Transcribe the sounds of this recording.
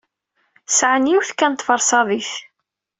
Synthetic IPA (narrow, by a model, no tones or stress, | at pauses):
sʕənjiwθkːænt̪ːˤfəɾˤsɑðˤiθ